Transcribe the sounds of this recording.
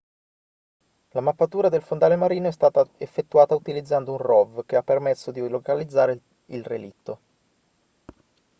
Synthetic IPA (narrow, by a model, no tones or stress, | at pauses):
lamapːat̪uːɾad̪elfond̪aːlemaɾiːnoɛst̪aːt̪aefːet̪ːuaːt̪aut̪ilid̪zːand̪ounrɔvk̟eapːermesːod̪ilokalid̪zːaːɾe | ilrḛlit̪ːo